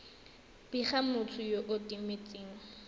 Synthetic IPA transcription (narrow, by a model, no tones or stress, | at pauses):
b̥iχamʊt͡sʰʊjoʔʊtʼimet͡sʼiːŋ̩